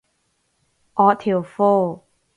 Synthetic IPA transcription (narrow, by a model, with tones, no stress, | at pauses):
ʔɔ˧˥t̪ʰi˨˩əwfo˥˩